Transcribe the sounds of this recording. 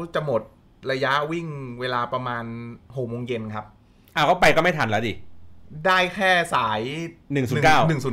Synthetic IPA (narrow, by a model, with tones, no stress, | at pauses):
t͡ɕa˧˩mo˨˩t̪̚ | ɾa˧ja˦˥wi˥˩ŋweː˧laː˧pɾa˧maː˧nho˨˩k̚moː˧ŋje˧nkʰa˦˥p̚ | ʔaː˨˩wkɔː˥˩pa˧jkɔː˥˩ma˥˩t̪ʰaː˨˩nlɛ˦˥diː˧˩daː˥˩jkʰɛː˥˩saː˩˦jnɯ˨˩ŋsuː˨˩nkaː˥˩wnɯ˨˩ŋsuː˨˩˦